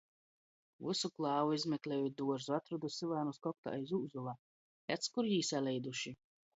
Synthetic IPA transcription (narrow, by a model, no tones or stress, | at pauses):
vusuklˠɑːvuizmʲɛklʲɛːjud̪uɔʒzuat̪ɾud̪usilˠaːnuskɔk̚t̪a̰ajzuːzulˠaː | ɛt̪skuɾjiːsalʲɛjd̪uʃi